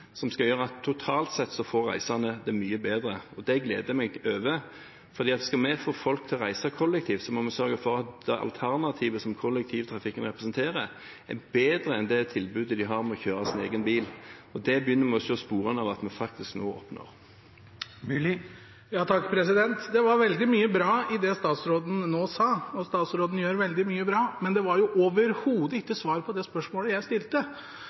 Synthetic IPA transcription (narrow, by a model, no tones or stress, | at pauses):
sɔmskɑljøːɾəɑt̪ʰːʊt̪ʰɑːlt̪sɛt̪ːsɔfoːɾʁæ̰ɪsɑnəd̪ɛmyːəbeːd̪ɾəɔd̪ɛɡlḛːd̪əmɛɡøːʋə | fɔʁd̪iːɑt̪ʋɪskɑmɛfoːfɔlk̚t̪ʰɪlʁæɪsəkʰɔlːɛk̚t̪ʰiːʋsɔmɔmɛsœɾɡəfɔɾɑt̪̚d̪̥ɛʔɑ̰lt̪ʰæʁnɑt̪ʰiːʋəsɔmkʰɔlːɛk̚t̪ʰiːʋət̪ʰɾɑfɪkːənʁɛpɾɛsənt̪ʰeːʁə | æ̰beːd̪ɾəɛnd̪ɛt̪ʰɪlbʉːd̪əd̪ɪɦɑʁmɛɔçøːɾɑsɪneːɡənbiːlɔd̪ɛbjʏnːəmɛɔsɔɔspuːɾənəɑʋɑt̪mɛnfɑk̚t̪ɪsknoːɔ̰pno̰ʁ | jɑːt̪ʰɑkːpʰɾɛsɪd̪ɛnt̪d̪ɛʋɑɾʋɛld̪ɪmyːəbɾɑːɪd̪ɛst̪ɑːt̪sɾoːd̪n̩noːsɑːɔst̪ɑːt̪sɾoːd̪n̩jøːɾʋɛld̪ɪmyːəbɾɑːmɛnd̪ɛʋɑɾjʊʔoːʋəɾhuːd̪əɪkːəsʋɑːɾpʰɔd̪ɛspœʂmoːləjæɪst̪ɪlt̪ə